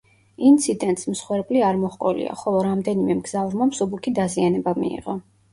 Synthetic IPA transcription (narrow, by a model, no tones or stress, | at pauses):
int̪sʰid̪ɛnt̪smsχwɛɾbʼliaɾmɔχqʼɔlḭa̰χɔlˠɔɾamd̪ɛnimɛmɡzavɾmamsubukʰid̪azianɛbamḭḭʁɔ